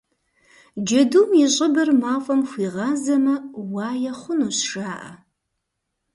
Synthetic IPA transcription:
d͡ʒɐdumjiɕʼɪbɐrmaːfʼɐmxʷiːʁɑːzɐmɐwɑːjɐχʷʊnuɕʂaːʔɐ̰

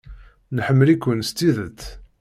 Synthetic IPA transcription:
nħəmːəlikʷːənst̪iðət͡sː

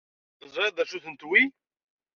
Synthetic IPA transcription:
θəzˤɾed̪æʃuθənt̪wi

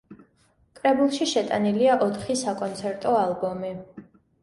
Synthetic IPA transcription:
kʼɾɛbulˠʃiʃɛt̪ʼaniliaʔɔt̪ʰχisakʼɔnt̪sʰɛɾt̪ʼɔalˠbɔmi

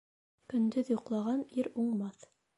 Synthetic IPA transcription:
kɵ̆nd̪ɵðjuqlˠɑʁɑniɾuɴmɑθ

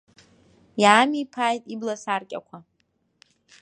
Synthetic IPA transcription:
jaːmipʰaːjtʼiblasarkʲʼa̰kʷʰa

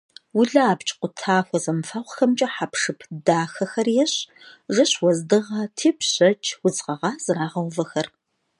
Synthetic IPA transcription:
wʊɮɐaːpt͡ʃʼqʷʊtʰaːxʷɔzɐmfɐʁʷxɐmt͡ʃʼɐħapʂɨpʰdaːxɐxɐrjɛɕ | ʐɨɕwɔzdɨʁɐtʰiːpʰɕɐt͡ʃʼʰwʊt͡sʼqɐʁɑːz̥ɨraːʁɐwvɐxɐr

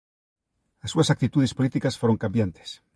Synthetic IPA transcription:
asːuasak̚t̪it̪uð̞espolit̪ikasfoɾo̞ŋkambjant̪e̥s

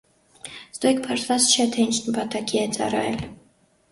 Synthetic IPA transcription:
z̥d̪ɔɛkpʰɑɾt̪ʰvɑt͡st͡ʃʰɛt̪ʰɛint͡ʃʰnəpʰɑt̪ɑkiɛt͡sɑ̰ɾɑ̰jɛl

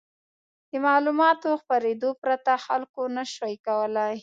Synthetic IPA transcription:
d̪əmɑlumɑt̪oxpaɾed̪opɾat̪axalkonaʃajkawəlaj

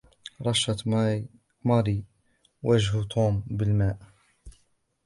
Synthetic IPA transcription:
ɾˤɑʃɑ | mɑɾi | waʒɦt̪ʰuːmbəlmaːʔ

